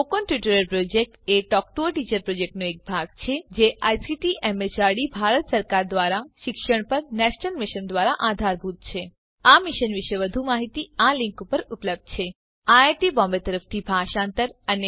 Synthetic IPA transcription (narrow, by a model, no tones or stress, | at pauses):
okənʈiʈəɾəlpɾod͡ʒek̚ʈeʈɔk̚ʈoʈit͡ʃəɾpɾod͡ʒek̚ʈnoek̚bʱaɡ̚t͡ʃʰed͡ʒeʔajsiʈiʔemet͡ʃaɾɽibʱaɾət̪səɾkaɾd̪ʋaɾaʃɪkʃəɽ̃pəɾnɛʃnəlmɪʃənd̪ʋaɾaʔad̪ʱaɾbʱut̪̚t͡ʃʰe | amɪʃənʋɪʃeʋəd̪ʱumaɦit̪ialɪ̃ŋkupəɾupləb̚d̪̚t͡ʃʰe | aaʈibɔmbet̪əɾəft̪ʰibʱaʃãnt̪əɾəne